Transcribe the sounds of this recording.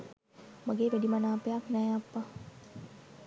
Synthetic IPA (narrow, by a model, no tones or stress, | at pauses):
maɡeːʋæɖimɐnaːpejaknæːapːɐ